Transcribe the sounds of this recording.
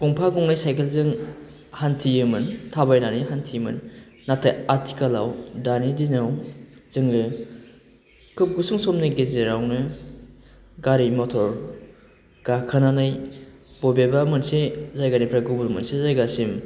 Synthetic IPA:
kɔŋpʰaɡɔŋnajsajkʰelzɯŋ | hantʰiɯmɯntʰabajnanijɦantʰijmɯ̰nː | atʰajaɾtʰi̥kala̰wdanidinawzɯŋlɯ | kʰɯp̚ɡusuŋsɔmnɯɡezeɾawnɯ | ɡaɾimɔtʰɔɾ | ɡ̥akʰananɯjbɔbebamɯnsezajɡanipʰɾaɡubulmɯnsezajɡasim

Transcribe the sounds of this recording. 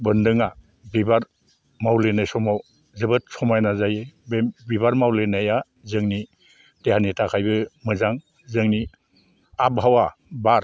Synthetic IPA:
bɯndɯŋa | bibaɾ | mawlenajsɔmaw | zɯbɯt̚sɔmajnazajebbibaɾmawlenaja | zɯŋni | dehanitʰakʰajbɯmɯzaŋ | zɯŋni | ab̚ɦawabaɾ

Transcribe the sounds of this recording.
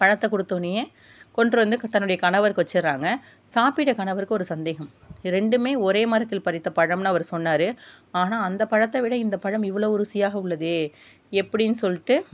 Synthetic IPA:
pɐɻɐt̪ːɐkɔɽɯt̪ːoːnɯjeː | kɔɳɖrɯʋɐnd̪ɯt̪ɐnːɯɽɐjɐkɐɳɐʋɐɾkɯʋɐt͡ʃːɐɾːaːŋɡɐ | saːpɪʈːɐkɐɳɐʋɐɾɯkːɯɔɾɯsɐnd̪eːɣɐm | ɾɛɳɖɯmeːɔɾeːmɐɾɐt̪ːɪlpɐɾɪt̪ːɐpɐɻɐmnɐɐʋɐɾsɔnːaːɾɯ | aːnaːɐnd̪ɐpɐɻɐt̪ːɐʋɪɽɐɪnd̪ɐpɐɻɐmɪʋːɐɭoːʊɾɯsɪjaːɣɐʊɭːɐðɯ | ɛpːɐɽɪnːɯsɔlːɪʈːɯ

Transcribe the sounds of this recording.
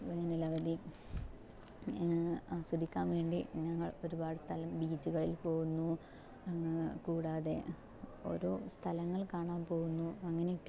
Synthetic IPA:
ʋeːɐnilɐʋɐd̪i | asɐd̪ʱikʲːaːnʋe̞ːɳɖiɲɐŋːɐɭo̞ɾubaːɽɨst̪ʰɐlɐmbiːt͡ɕːuɣɐɭilpo̞ːɣunːu | kuːɽaːðe̞ | o̞̰ɾoːst̪ʰɐlɐŋːɐɭkaːɳaːnpo̞ːɣunːuɐŋːɐneiʈː

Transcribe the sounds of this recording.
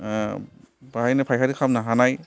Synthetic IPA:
baɦajnapʰajkʰaɾikʰamnaɦanaj

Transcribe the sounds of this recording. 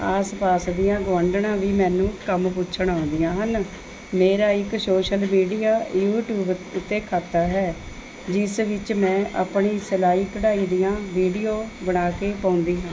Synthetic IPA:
aːspaːsd̪ɪjãːɡəʋəɳɖɳãːʋiːmɛ̃ːnũːkəmpʊtːt͡ʃʰəɳãːnd̪ijãːɦən | meːɾaːɪksoːʃəlmiːɖijaːjuːʈjuːbʊt̪ːeːkʰaːt̪ːaːɦɛː | d͡ʒɪsʋɪt͡ʃmɛ̃ːʔa̰pɳiːsəlaːiːkəɽaːiːd̪ijãːʋiːɖijoːbəɽ̃aːkeːpãːʊnd̪iːɦãː

